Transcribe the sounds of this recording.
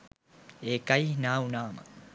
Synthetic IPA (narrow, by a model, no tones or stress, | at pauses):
eːkɐjnaːunaːmə̰